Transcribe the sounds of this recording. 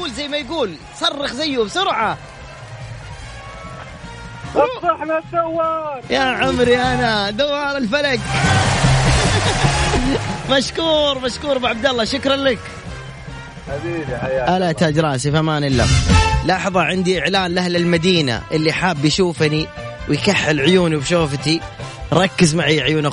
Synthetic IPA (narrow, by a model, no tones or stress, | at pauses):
uːlzajːmajɡuːl | sˤɑrˤːɑxzajːʊbsʊɾʕa | ɑħnaawːɑɾjaʕʊmɾiʔanad̪awɑːɾˤɪlfalak | maʃkuːɾˤmaʃkuːɾˤbɪʕab̚d̪alːɑʃʊkɾˤɑnlak | iʔalat̪ad̪ɾˤɑːsifamaːnɪlːa̰flɑħðˤɑʕɪnd̪iʔɪʕlaːnlahlɪlmad̪iːna̰ʔɪlːiħaːbːjʃuːfni | wjkaħːɪlʕʊjuːnibʃoːft̪i | ɾˤɑkːɪzmaʕiːʕʊjuːna